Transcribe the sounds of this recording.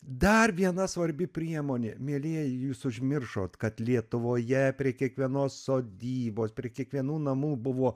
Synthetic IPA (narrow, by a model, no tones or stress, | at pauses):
d̪ɐrʋʲiɛnɐsʋɐɾʲbʲɪpʲɾʲiɛmoːnʲeːmʲeːlʲeːjjuːsʊʒʲmʲɪrʃo̰ːt̪kɐt̪lʲiɛt̪ʊʋoːjɛpʲɾʲiɛkʲiɛkʋʲiɛnoːssoːd̪ʲiːboːspʲɾʲiɛkʲiɛkʋʲiɛnuːnɐmuːbʊʋoː